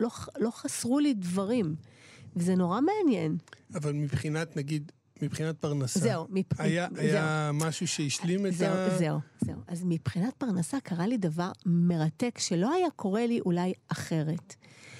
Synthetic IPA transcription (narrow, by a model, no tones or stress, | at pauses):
lo̞lo̞χasʁulidvaʁimvezeno̞ʁame̞anje̞navalmipχinat̪naɡid̪ | mipχinat̪̚paʁnaszaumipajaʔazjemaʃuʃeiʃlimetzeauzeuz̥e̞uʔazmipχinat̚paʁnasakaʁalidavaʁme̞ʁate̞kʃe̞lo̞ajako̞ʁe̞liʔulajaχe̞ʁe̞t